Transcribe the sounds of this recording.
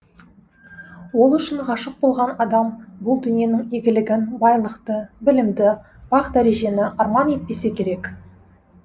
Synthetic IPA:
wo̞lˠʏʃɪɴqɑʃəq̚bo̞lˠʁɑnɑd̪ɑmbʊlˠd̪ʏnje̞nɪŋeɡʲɪlɪɡʲɪnbɑjlˠəqt̪əbɪlɪmd̪ɪ | b̥ɑqd̪æɾe̞ʒe̞nɪʔɑɾmɑne̞t̪̚pe̞se̞kʲʰe̞ɾe̞k

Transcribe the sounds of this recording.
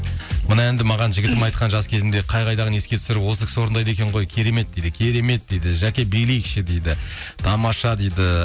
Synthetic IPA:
mənɑe̞nd̪ɪmɑʁɑnʒɪɡʲɪt̪ɪmɑjt̪̚qɑnʒɑskʲʰe̞zɪnd̪e̞qʰɑjʁɑjd̪ɑʁəne̞skʲe̞t̪ʰʏ̥sɪɾɪpwo̞səkʰʲɪ̥swo̞ɾənd̪ɑjd̪e̞kʲe̞ɴʁo̞jkʲʰe̞ɾe̞me̞t̪̚d̪ejd̪ɪkʲʰe̞ɾe̞me̞t̪̚d̪e̞jd̪ɪʒækʲe̞bejlejkʰʲʃɪd̪e̞jd̪ɪt̪ʰɑmɑʃɑd̪ejd̪ɪ

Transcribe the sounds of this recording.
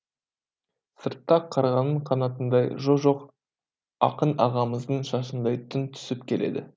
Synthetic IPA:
səɾt̪ːɑqʰːɑɾʁɑnəɴqʰɑnɑt̪ənd̪ɑjʒoʒo̞q | ɑ̰qənɑʁɑməzd̪əɴʃɑʃənd̪ɑjt̪ʰʏnt̪ʰʏ̥sɪpkʲʰe̞le̞̰d̪ɪ̰

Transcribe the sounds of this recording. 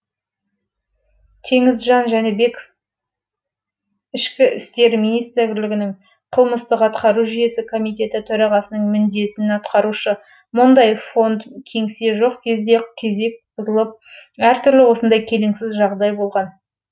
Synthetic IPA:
t̪ʰe̞ŋɪzʒɑnʒæne̞be̞k | ɪʃkʲɪɪst̪e̞ɾmijnijst̪ɪɾɡʲɾlɪɡʲɪnɪŋ | qʰəlˠməst̪əqɑt̪qɑɾuʒʏje̞sɪkʰo̞mijt̪e̞t̪ɪt̪ʰɵɾɑʁɑsənəɴmɪnd̪e̞t̪ɪnɑt̪qɑɾuʃə | mʊnd̪ɑjfo̞nd̪kʲʰe̞ŋse̞ʒo̞qkʲʰe̞zd̪e̞kʲʰe̞ze̞k̚bʰʊzəlˠəp̚æɾt̪ʰʏɾlɪwo̞sənd̪ɑjkʲʰe̞leŋsɪzʒɑʁd̪ɑjbo̞lˠʁɑn

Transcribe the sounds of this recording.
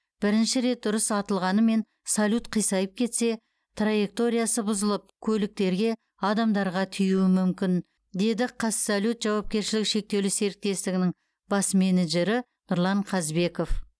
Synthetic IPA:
b̥ɪɾɪnʃɪɾe̞t̪̚d̪ʊɾəsɑt̪əlˠʁɑnəme̞n | salʲut̪qʰijsɑjəp̚kʲʰe̞t̪se̞ | t̪raje̞k̚t̪o̞ɾʲijasəbʊzəlˠəp̚kʲʰɵlɪk̚t̪e̞ɾɡʲe̞ | ɑd̪ɑmd̪ɑɾʁɑt̪ʰʏjuwɪmʏmkʲɪn | d̪e̞d̪ɪqʰɑssolʲut̪ʒɑwɑp̚kʲe̞ɾʃɪlɪkʃe̞k̚t̪e̞wlɪse̞ɾɪk̚t̪e̞st̪ɪɡʲɪnɪŋ | bɑsme̞neʒe̞ɾɪ | nʊɾlˠɑɴqʰɑzbe̞ko̞f

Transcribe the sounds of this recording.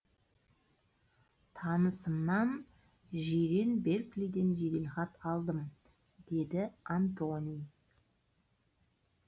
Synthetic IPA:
t̪ʰɑnəsəmnɑn | ʒiɾe̞nbeɾklid̪e̞nʒed̪elχɑt̪ɑlˠd̪əm | d̪̥e̞d̪ɪant̪onʲij

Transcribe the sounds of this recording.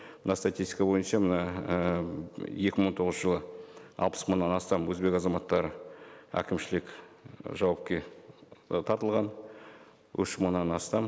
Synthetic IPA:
mənɑst̪at̪ʲist̪ʲikɑbo̞jənʃɑmənɑ | je̞kʲɪmont̪ʰo̞ʁəz̥ʒəlˠəɑ̰lˠpə̥sməɴnːɑnɑst̪ɑmwɵzbe̞kɑzɑmɑt̪ːɑɾəæ̰kʲɪmʃɪlɪkʲʒɑwɑp̚kʲe̞ | t̪ʰɑɾt̪əlˠʁɑn | wɪ̰ʃməɴnːɑnɑst̪ɑm

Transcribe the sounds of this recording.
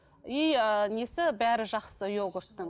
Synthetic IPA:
ijənesɪbæɾɪʒɑqsəjoɡʊɾt̪ːə

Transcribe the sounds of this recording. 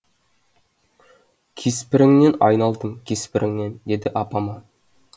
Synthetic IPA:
kʲʰespɪɾɪŋnenɑjnɑlˠd̪əɴkʲʰespɪɾɪŋnend̪ed̪ɪʔɑpɑmɑ

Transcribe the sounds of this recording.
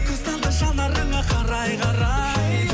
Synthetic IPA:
k̪ʰɵst̪ɑld̪ɑʃɑlˠd̪ɑɾəɴɢɑqʰɑɾɑjqʰɑɾɑjj

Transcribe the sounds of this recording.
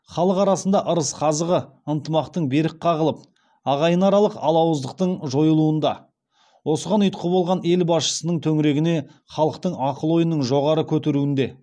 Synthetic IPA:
χɑlˠəqɑɾɑsənd̪ɑʔəɾəsqʰɑzəʁə | ənt̪əmɑqt̪əɴbe̞ɾɪk̚qʰːɑʁəlˠəp̚ | ɑʁɑjənɑɾɑlˠəqɑlˠɑwəzd̪əq̚t̪əɴʒo̞jəlˠuənd̪ɑ | wo̞səʁɑnʏjt̪̚qʰəbo̞lˠʁɑne̞lbɑsʃə̥sənəɴt̪ʰɵŋɾe̞ɡʲɪne̞χɑlˠəqt̪əɴɑqəlˠo̞jənəɴʒo̞ʁɑɾəkʲʰɵt̪e̞ɾuɪnd̪e

